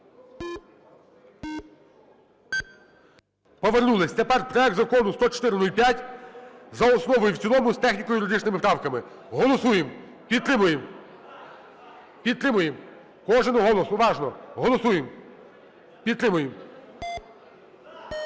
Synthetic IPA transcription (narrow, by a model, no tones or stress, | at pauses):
pɔʋernulˠɪsʲt͡s̪ʲɛpɛrt̪̚pɾɔjɛk̚t̪zɐkɔnʊst̪ɔt͡ʃɔ̥t̪ɪɾɪnulʲpʲjatʲ | zɐɔsnɔʋɔjuwt͡sʲsʲilˠɔmʊst̪ɛxnʲikɔjʊjɾʊd̪ɪt͡ʃnɪmɪpɾɑwkɐmɪ | ɦɔlˠɔsujem | pʲiɾmʊjem | pʲid̪̚ɾɪmʊjem | kɔʒenʊɦɔlˠɔsʊʋɑʒnɔɦɔlˠɔsujem | pʲid̪t̪ːɾɪmʊjem